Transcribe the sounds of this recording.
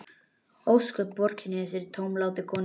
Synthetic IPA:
owskœpvɔr̥cʰɪnɪfɪɾɪɾt̪ʰowmlaːwðɪkʰɔːn

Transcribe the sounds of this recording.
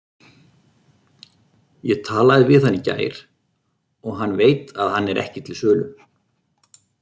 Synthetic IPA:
jɛɣt̪ʰaːlaðɪvɪðanːɪca̰ːjɾ̥ | ɔɣɦanːveːjt̪aðhanːɛɾʔɛ̰hcɪ̥t̪ʰɪlsœːlʏm

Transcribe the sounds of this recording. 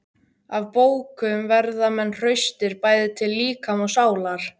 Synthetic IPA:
avpoːwkʏmvɛɾðamɛnːr̥œɥst̪ɪɾpaːjðɪt̪ʰɪlːiːkamɔɣsaːwlaɾ̥

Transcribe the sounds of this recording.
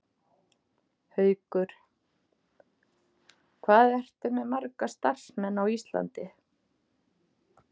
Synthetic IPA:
hœːɥkʏɾ̥ | kʰvaːðɛr̥t̪ʏmɛðmaɾkast̪ar̥smɛnːawist̪la̰nt̪ɪ

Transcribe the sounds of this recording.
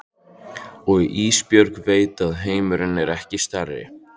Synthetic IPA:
ɔɣiʔiːspjœɾkveːjt̪aðɦeːjmʏɾɪnːɛɾɛhcɪst̪arːɪ̰

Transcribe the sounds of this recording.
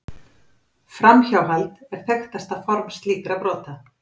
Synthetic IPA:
fɾamçawɦalt̪ɛɾ̥θɛxt̪ast̪afɔɾmst̪liːkɾapɾɔːt̪a

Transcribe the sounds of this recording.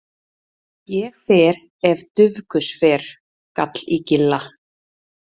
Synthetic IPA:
jɛxfɛːɾ | ɛvt̪ʏvkʏsfɛːɾ̥ | kat̪licɪlːa

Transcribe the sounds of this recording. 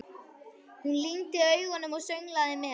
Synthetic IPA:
hunlint̪ɪœɥɣɔnʏmɔɣsœɥŋlaðɪmɛ

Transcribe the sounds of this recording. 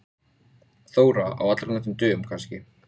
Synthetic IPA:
θoːwɾaa̰wat̪lɾanat̪ʏmt̪ʏːmkʰanscɪ

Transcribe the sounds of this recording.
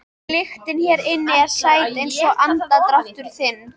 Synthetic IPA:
lɪxt̪ɪnçɛɾɪnːɪaɾ̥saːjt̪ejnsɔɣʔant̪at̪ɾaht̪ʏɾ̥θɪnː

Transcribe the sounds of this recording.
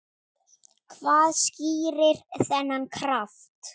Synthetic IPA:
kʰvaːðsciːɾɪɾ̥θɛnːankʰɾaft̪

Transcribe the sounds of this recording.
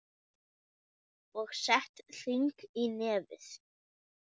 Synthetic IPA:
ɔɣsɛht̪l̥iŋkinɛːvɪ̰θ

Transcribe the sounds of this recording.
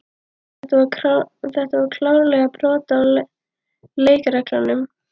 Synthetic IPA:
ɛt̪aaθɛht̪avaɾkʰlawɾlɛɣapʰɾɔːt̪a | leːjkaɾɛklanːʏm

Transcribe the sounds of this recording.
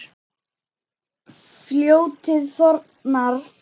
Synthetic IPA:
fljoːwt̪ʰɪðθɔɾ | naɾ

